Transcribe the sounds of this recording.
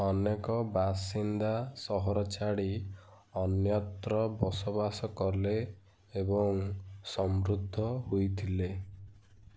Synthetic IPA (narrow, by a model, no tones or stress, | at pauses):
ɔnekɔbasind̪asɔɦɔɾɔt͡ʃaɽi | ɔnjɔt̪ɾɔbɔsɔbasɔkɔɾleː | bɔŋsɔmɾud̪ʱːɔɦujt̪ʰile